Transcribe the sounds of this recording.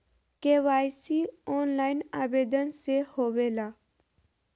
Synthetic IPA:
keʋaːjsiɔːnlaːɪnaːʋeːd̪ənsehoːʋeːlaː

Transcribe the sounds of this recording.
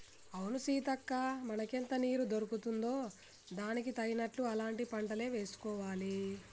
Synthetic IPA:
ɐwunusiːt̪ɐkːaːmɐnɐkent̪ɐniːɾud̪oɾukut̪und̪o̞ː | d̪aːnikit̪ɐɡinɐʈluɐlaːɳʈipɐɳʈɐle̞ːʋe̞ːsu̥kɔːʋaːli

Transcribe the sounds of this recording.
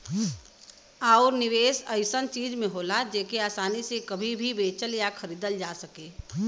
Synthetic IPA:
aːɾnɪʋeːsəɪsənt͡ʃiːd͡ʒmẽɦoːlad͡ʒeːkeaːsaːnisekɐbʱibʱibeːt͡ʃəljakʰəɾiːd̪əld͡ʒaːsəkeː

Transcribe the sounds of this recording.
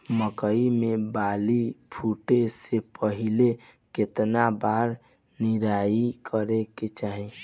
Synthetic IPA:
məkəimebalipʰuʈesepəɦile | ket̪nabaɾ | niɾaikʰəɾeket͡ʃaɦĩ

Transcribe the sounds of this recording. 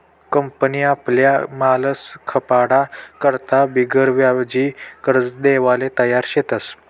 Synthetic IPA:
kəmpəniːapljamaləskʰəpaɽakəɾt̪abiɡəɾʋjaʋd͡ʑikəɾt͡sd̪eʋalet̪əjaɾɕet̪əs

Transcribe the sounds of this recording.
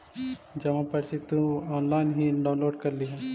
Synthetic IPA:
d͡ʒɐmãpɐɾsit̪ũɔːnlaːɪnɦiɖaːʊ̃nloːɖkɐɾliɦɛː

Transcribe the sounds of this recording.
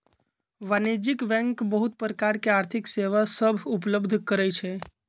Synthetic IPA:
ʋanid͡ʒikbɛ̃ŋkbəɦut̪̚pɾəkaɾkeaɾt̪ʰikseʋasəbʱup̬ləbd̪ʱkəɾɛt͡ʃʰe

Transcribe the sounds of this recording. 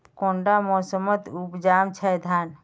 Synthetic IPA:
kõɳɖamɔsəmət̪upd͡ʒamt͡ʃʰɛd̪ʱan

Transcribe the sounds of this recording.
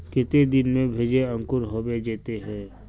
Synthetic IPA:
kɪt̪ed̪ɪnmẽbʱeːd͡ʒeə̃ŋkʊɾɦoːbed͡ʒeːt̪eɦɛ̃ː

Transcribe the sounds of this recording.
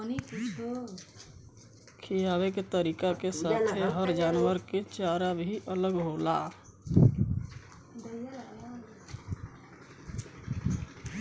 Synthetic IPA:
nikit͡ʃo | kʰijabeket̪əɾikakesat̪ʰeɦəɾd͡ʒaːnwəɾket͡ʃaɾabʱiʔələɡɦola̰ | d̪əj

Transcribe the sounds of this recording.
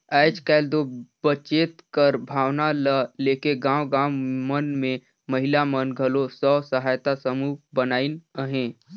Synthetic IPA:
ɛːt͡ʃkɛːld̪obət͡ʃeːt̪kəɾbʱaːʋnaləleːkeɡãːwɡãːwmənmẽ | məɦɪlamənɡʱəlosɔːsəɦaːjt̪asəmuːbənaːinəɦẽ

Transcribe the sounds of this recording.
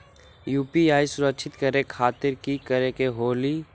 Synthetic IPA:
juːpiaːisʊɾəkʃʰɪt̪kəɾekʰaːt̪ɪɾkikəɾekeɦoːliː

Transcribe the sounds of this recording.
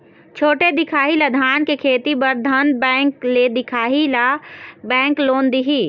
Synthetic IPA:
t͡ʃʰoːʈed̪ɪkʰaːɦilad̪ʱaːnkekʰeːt̪ibəɾd̪ʱənbɛ̃kled̪ɪkʰaːɦilabɛ̃ːŋkloːnd̪iɦiː

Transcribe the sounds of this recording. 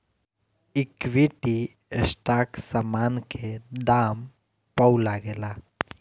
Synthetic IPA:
ɪkʋiʈi | esʈaːksamaːnkʰed̪aːm | pəulaɡela

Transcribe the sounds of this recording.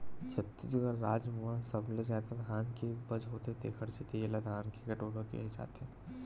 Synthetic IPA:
t͡ʃʰɐt̪ːisɡəɾːaːd͡ʒmuasɐblezaːd̪ad̪ʱaːnkebɐd͡ʒɦoːt̪et̪ʰekʰɐɽset̪ʰeelad̪ʱaːnkekɐʈoːɽãkḭɦed͡ʒa̰ːt̪eɛ

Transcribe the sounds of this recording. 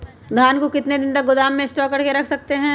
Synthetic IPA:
d̪ʱaːnkokɪt̪ned̪ɪ̃nt̪ɐk̚ɡʊd̪aːmːẽɪsʈɔːkɐɾkeɾɐkʰsɐk̚t̪eɦɛ̃ː

